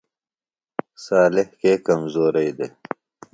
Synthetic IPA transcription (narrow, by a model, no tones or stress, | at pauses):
saːlɪhkeːkɐmzoːɾɐjd̪e